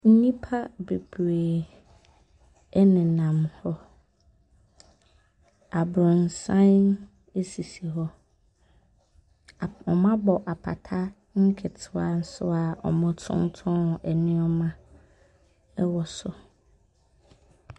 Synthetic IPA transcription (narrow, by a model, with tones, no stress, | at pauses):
n̩˦nĩ˦pʰa˦be˨bɾeː˨ | ɛ˦nɪ̃˨nã˨mhɔ˦ | a˨bɾʊ̃˨n˨sã˦n | e˦si˨si˨ɦɔ˦˨ | ɔ˨mã˦bɔ˨ʔa˨pʰa̰˨tʰa˦ | ŋ̩˦kʰɛ˨tʰɪ˦a˨n̩˦sʊ˦a˨ʔɔ̰˨mʊ̃˦tʰʊ̰̃˦n˦tʰʊ̃˦˨ʔɛ˨nɪ̃˦ɔ˦mã˦ | ɛ˦wɔ˨sʊ˨